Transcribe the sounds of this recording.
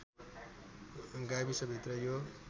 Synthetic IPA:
ɡabisʌbʱit̪rʌjo

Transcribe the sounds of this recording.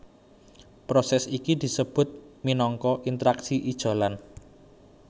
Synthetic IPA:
pɾosɛsikid̪̥i̤səb̥ʊ̤t̪̚minɔŋkɔʔint̪əɾaksiʔid̥ʒ̥a̤lan

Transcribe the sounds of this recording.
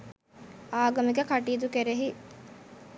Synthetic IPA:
aːɡɐmikekɐʈiːd̪ukeɾeɦi

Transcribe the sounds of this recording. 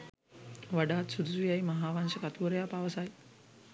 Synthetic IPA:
ʋaɖaːt̪sud̪usijajmaɦaːʋaŋʃəkat̪uoɾejaːpaʋəsaj

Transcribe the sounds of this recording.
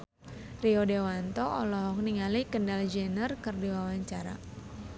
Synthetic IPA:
riɔdewant̪ɔʔɔlɔɦɔk̚niŋalikəndald͡ʒənərkərdiwawaɲt͡ʃaɾa̰

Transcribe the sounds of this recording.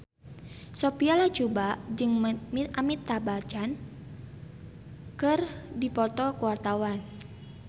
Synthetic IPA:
sopialat͡ʃubaʔd͡ʒɨŋamit̪ːabat͡ʃan | kɨrdipɔt̪ɔkuwart̪awan

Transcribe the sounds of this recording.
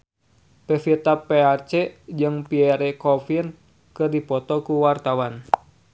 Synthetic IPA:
pɛfit̪apːeart͡ʃɛd͡ʒɨŋpiɛɾɛkɔfin | kɨrdipɔt̪ɔkuwart̪awan

